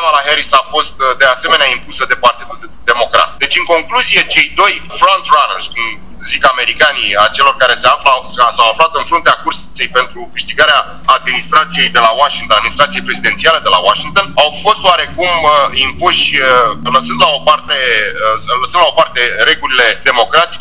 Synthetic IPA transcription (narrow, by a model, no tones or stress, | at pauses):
valaɦeɾisafo̞st̪d̪e̞ase̞meneaimpusəd̪e̞part̪id̪ul | d̪e̞mo̞kɾa̰t̪̚d̪e̞t͡ʃɨŋko̞ŋkluzije̞t͡ʃe̞jd̪o̞jfɾont̪ranerskum | zikame̞ɾikaniat͡ʃe̞lo̞rkaɾe̞seafləassawaflat̪ɨnfɾunt̪eakursi̥t̪sejpe̞nt̪ɾukɨʃt̪iɡaɾeaː | d̪minist̪ɾat̪sije̞jd̪e̞lawaʃiŋt̪onad̪minist̪ɾat̪sijejpɾe̞zid̪e̞nt̪sialed̪e̞la̰waʃiŋk̚t̪o̞nawfo̞st̪oaɾe̞kumimpuʃʲləsɨnd̪lao̞part̪e̞əsələsɨnd̪lao̞part̪e̞ɾe̞ɡulile̞d̪e̞mo̞kɾat̪it͡ʃ